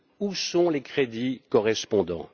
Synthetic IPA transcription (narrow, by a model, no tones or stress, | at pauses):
usɔ̃lekχed̪ikɔʁɛspɔ̃d̪ɑ̰̃